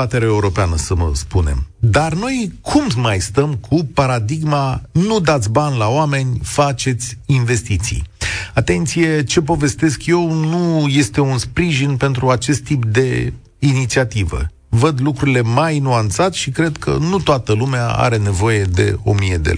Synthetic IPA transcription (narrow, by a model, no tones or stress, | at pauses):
at̪eɾeaeuɾo̞peanəsəmə̰spune̞̰md̪arno̞jkʰummajst̪əmkʰupaɾad̪iɡmanud̪at̪sʲbanʲlaoame̞nʲfat͡ʃe̞t̪sʲinve̞st̪it̪sḭjat̪e̞nt̪sije̞t͡ʃe̞p̬o̞ve̞st̪e̞skje̞wnuje̞st̪e̞unspɾiʒinpe̞nt̪ɾuat͡ʃe̞st̪ːip̚d̪e̞ | init̪siat̪ivə̰ | vəd̪lukɾuɾile̞majnuant̪sat̪ʃikɾe̞d̪kʰə̰nut̪oat̪əlumeaa̰ɾe̞ne̞vo̞je̞d̪e̞̰o̞̰mije̞d̪ḛl